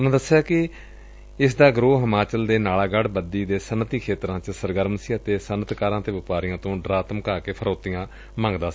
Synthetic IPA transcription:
ʊnãːd̪əsːejaːkɪ | ɪsd̪aːɡɾoːɦəmaːt͡ʃəld̪eːnaːlaːɡəɽbəd̪iːd̪eːsənət̪iːkʰeːt̪ɾãːt͡ʃəsəɾɡəɾəmsiːət̪eːsənət̪kaːɾãːt̪eːʋɪpaːɾɪjãːt̪õːɖɾaːt̪əmkaːkeːpʰəɾoːt̪ːɪjãː | mãːŋɡd̪aː

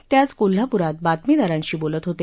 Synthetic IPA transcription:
t̪jat͡skol̤ːapuɾat̪̚bat̪mid̪aɾãɲt͡ɕiːbolət̪ɦot̪e

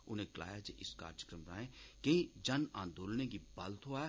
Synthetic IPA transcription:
ʊn̤ẽkla̰ːjad͡ʒeʔɪska̰ːɾd͡ʒəkɾəmɾa̰ːɦẽkɐɦĩd͡ʒɐnã̰ːnd̪oːlnekibɐlt̪ɦoaɛ

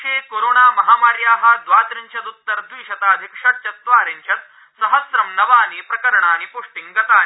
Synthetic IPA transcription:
eːkoːɾoːɳaːmɐɦaːmaːɾjaːɦɐ̆d̪ʋaːd̪ɾiɲt͡ʃʰɐt̪ut̪ːɐɾd̪ʋiːʃɐt̪aːd̪ʱikʂɐt͡ʃɐt̪ʋaːɾiɲt͡ʃʰɐt̪ | sɐɦɐsɾɐmnɐʋaːniːpɾɐkɐɾɐɳaːnipuʂʈiŋɡɐt̪aː

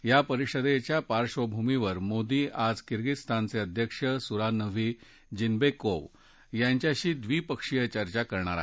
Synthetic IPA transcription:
japəɾiʂəd̪et͡ɕjapaɾʂʋəbʱumiʋəɾmod̪iːʔad͡zkiɾɡist̪ʰant͡seəd̪ʱjəkʂəsuɾanəʋiː | d͡ʑinbekoʋ | jaɲt͡ɕjaɕiːd̪ʋiːpəkʂijət͡ɕəɾt͡ɕakəɾɳaɾa̰

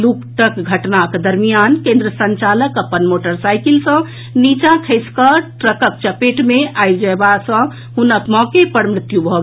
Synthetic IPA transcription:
lukʈəkɡʱəʈnakd̪əɾmijankẽnd̪ɾəsə̃nt͡ʃaləkəpːənmoʈəɾsajkilsʌ̃ | nit͡ʃãkʰəɪskəʈɾəkək̚t͡ʃəpeʈmeajd͡ʒəbasə̃ | ɦunəpmɔ̃kepəɽmɾit̪jubʱɔ

